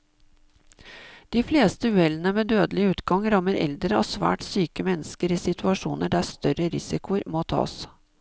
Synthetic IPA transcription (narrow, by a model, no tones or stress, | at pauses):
d̪̥iːfleːst̪əʉːɛlənəmeːd̪øːd̪əlɪʉːt̪ɡɑŋɾɑmːəɾɛ̰ld̪ɾəosʋæ̰ːʈsyːkəmɛnːəskəɾɪsɪt̪ʰʉɑʂṵːnəɖæst̪œɾəɾɪsɪkʊəɾmoːt̪ʰɑ̰ːs